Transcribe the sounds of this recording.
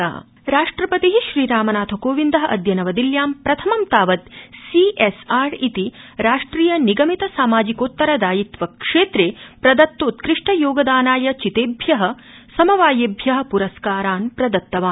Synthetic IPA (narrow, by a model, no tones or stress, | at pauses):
a̰ː | ɾaːʂʈɾɐpɐt̪iɦiʃɾiːɾaːmɐnaːt̪ʰɐkoːʋind̪ɐɦɐʔɐd̪ʱjɐnɐʋɐd̪iljaːmpɾɐt̪ʰɐmɐmt̪aːʋɐt̪siesaːɾit̪iɾaːʂʈɾiːjɐniɡɐmit̪ɐsaːmaːd͡ʒikoːt̪ːɐɾɐd̪aːjit̪ʋɐkʂeːt̪ɾeːpɾɐd̪ɐt̪ːoːt̪kɾiʂʈɐjoːɡɐd̪aːnaːjɐt͡ʃit̪eːbʱjɐɦɐ | sɐmɐʋaːjeːbʱjɐɦɐ̆puɾɐskaːɾaːnpɾɐd̪ɐt̪ːɐʋaː